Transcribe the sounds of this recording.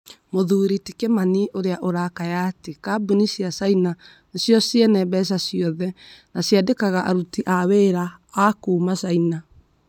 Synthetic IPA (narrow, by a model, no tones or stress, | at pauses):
moðuːɾitekɛmaniʔoɾeaʔoɾakajatekabunisiasaina | sjɔsjɛnɛβɛs̬asjɔðɛnasjadekaɣaʔaɾutiʔaweɾaːkuːmasaina